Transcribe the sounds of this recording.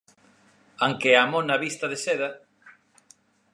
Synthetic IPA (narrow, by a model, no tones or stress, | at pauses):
aŋkeamõnaβist̪aðeseða